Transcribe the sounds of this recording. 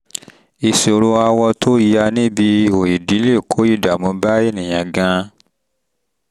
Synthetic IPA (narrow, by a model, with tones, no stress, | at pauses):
i˨so˨ɾo˧a˧wɔ˧tʰo˦ji˧ja˧nĩ˦bi˧o˨i˨di˨˦le˦˨kʰo˨˦i˦˨da˨mũ˨˧˦ba˦e˦˨nĩ˨j̃ã˨ɡã˧